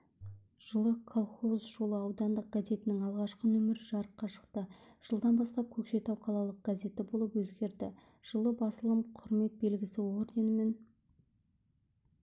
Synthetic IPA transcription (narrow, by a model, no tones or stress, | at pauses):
ʒ̥əlˠəkʰolˠχo̞zʒo̞lˠəɑwd̪ɑnd̪əq̚ɡ̥aze̞t̪ɪnɪŋɑlˠʁɑʃqənɵmɪɾɪʒɑɾəqːɑʃə̥qt̪əʒ̥əlˠd̪ɑnbɑst̪ɑp̚kʲʰɵkʃe̞t̪ɑwqʰɑlˠɑlˠəq̚ɡ̥aze̞t̪ɪbo̞lˠəpwɵzɡʲe̞ɾd̪ɪ̰ | ʒ̥əlˠəbɑsəlˠəmqʰʊɾme̞k̚be̞lɡʲɪsɪo̞rd̪e̞nɪme̞n